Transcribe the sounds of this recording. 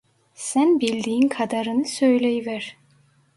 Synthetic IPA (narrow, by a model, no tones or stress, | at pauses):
sænbilʲd̪iːinkʰad̪aɾɯnɯsøjlʲejivæɾ̥